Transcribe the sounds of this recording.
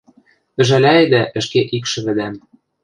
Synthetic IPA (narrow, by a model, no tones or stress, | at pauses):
ɘ̆ʒænæed̪æʔɘ̆ʃkeʔikʃɘ̆βɘ̆d̪æm